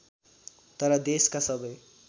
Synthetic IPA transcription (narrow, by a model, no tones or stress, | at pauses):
t̪ʌɾʌd̪eskasʌbʌj